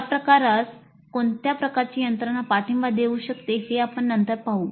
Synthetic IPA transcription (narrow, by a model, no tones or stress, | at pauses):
apɾəkaɾat͡s | koɳt̪japɾəkaɾt͡ɕiːjənt̪ɾənapaʈʰimʋad̪euːɕəkt̪eheapəɳːənt̪əɾpaɦuː